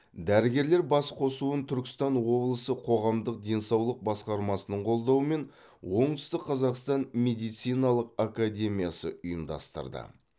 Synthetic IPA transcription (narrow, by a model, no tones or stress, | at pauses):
d̪æɾɪɡʲe̞ɾleɾbɑsqʰo̞suənt̪ʰʏɾkʲɪ̥st̪ɑnwo̞blˠəsəqʰo̞ʁɑmd̪əq̚d̪e̞nsɑwlˠəq̚bɑsqɑɾmɑsənəɴqʰo̞lˠd̪ɑwəme̞n | wo̞ɴd̪ʏst̪ɪkqʰːɑzɑqst̪ɑnme̞d̪ijt̪sijnɑlˠəqakad̪ʲe̞mʲijasə̰ʔʊjəmd̪ɑ̰st̪ə̰ɾd̪ə̰